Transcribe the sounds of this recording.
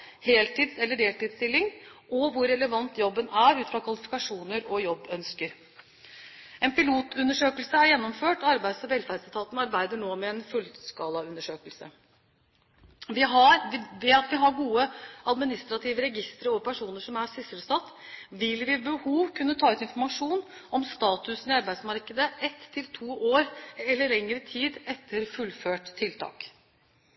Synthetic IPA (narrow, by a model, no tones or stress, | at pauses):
heːlt̪iːd̪sɛlːəɖeːlt̪iːd̪st̪ɪlːɪŋʔɔʋʊɾːɛləʋɑnt̪jɔbːənæɾʉːt̪fɾɑkʰʋɑlɪfɪ̥kɑʂuːnəɾɔjɔbːœnskəɾ | ɛnpɪluːt̪ʰʉnːəʂøːkəlsəæɾjɛnːɔmføːʈɔɑɾbæɪd̪sɔʋɛlfæd̪st̪ʰɑːt̪nɑɾbæɪd̪əɳoːmɛɛnfʉlskɑːlɑʉnːəʂøːkəlsə̰ | ʋɪɦɑɾʋɛɑt̪ʋɪɦɑɾɡuːəɑd̪mɪnɪst̪ɾɑt̪ʰiːʋəɾɛɡɪst̪əɾəɔpʰæʂuːnəʂɔmæɾsɪsələstɑt̪ː | ʋɪlʋɪbəhuːʋkʰʉnːət̪ʰɑːʉːt̪ɪnfɔɾmɑʂuːnɔmst̪ɑːt̪ʉsən̩ɪɑɾbæɪd̪smɑɾkəd̪əɛt̪ʰːɪlt̪ʰuːʔoːɾɛlːəɭɛŋɾət̪ʰiːd̪ɛt̪ʰːəɾfʉlːføːʈt̪ʰːɪlt̪ʰɑ̰ːk